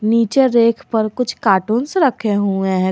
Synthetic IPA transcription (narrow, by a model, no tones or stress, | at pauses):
niːt͡ʃeɾeːkʰpəɾkʊt͡ʃʰkaːʈuːnseɾɐkʰeɦuẽɦɛ̃